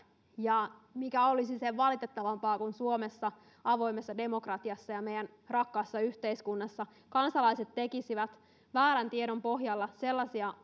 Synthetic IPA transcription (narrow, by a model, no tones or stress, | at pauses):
jɑmikæolisiseʋʋɑlit̪et̪ːɑʋɑmpɑːkunsuomesːɑ | ɑʋo̞imesːɑde̞mo̞krɑt̪iɑsːɑjɑmejæn | rɑkːɑːsːɑyht̪eiskunːɑsːɑ | kɑnsɑlɑiset̪tekisiʋæt̪ | ʋæːɾænt̪iedompo̞ɦjɑlːɑse̞lːɑsiɑ